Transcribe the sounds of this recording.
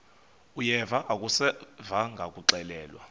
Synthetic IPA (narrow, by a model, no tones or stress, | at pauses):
ujɛvaʔakʼusɛvaŋɡʱakʼuǀɛlɛːlwa̰